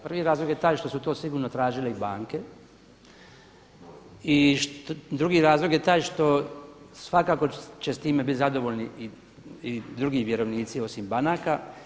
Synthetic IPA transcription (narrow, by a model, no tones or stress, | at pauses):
pr̩ʋiɾaːzlo̞ɡjet̪aːjʃt̪o̞sut̪o̞ːsiɡuːɾnot̪ɾaːʒileibaːŋke | iʃd̪ɾuɡiɾaːzlˠo̞ɡje̞t̪aːjʃt̪o̞ | sʋakaːko̞t͡ʃest̪iːmebit̪zad̪o̞ʋoʎni | id̪ɾuɡiʋje̞ɾo̞ʋniːt̪sio̞simbanaka